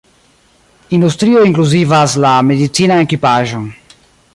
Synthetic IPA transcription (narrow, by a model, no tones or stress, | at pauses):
ind̪ust̪ɾiːoiŋkluzivaslamed̪it̪siːnaekipaʒoŋ